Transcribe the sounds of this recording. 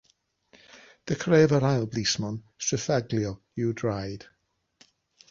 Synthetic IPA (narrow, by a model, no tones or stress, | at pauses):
d̥əkʰreːvəɾajlˠblismɔnsɪfɛɡljɔ | ɪwdɹajd̥